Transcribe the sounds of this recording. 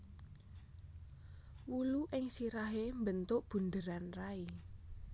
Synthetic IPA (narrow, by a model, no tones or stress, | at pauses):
wuluʔɪŋsiɾaɦembənt̪ʊʔb̥ṳnd̪əɾanrai